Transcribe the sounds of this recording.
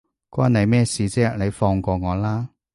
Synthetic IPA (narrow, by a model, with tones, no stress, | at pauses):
kʷɔː˥nɐ˨˧jmɛː˥siː˨˧t͡sɛː˥le˨˧jfɔː˧ŋkɔː˧ŋɔː˨˧laː˥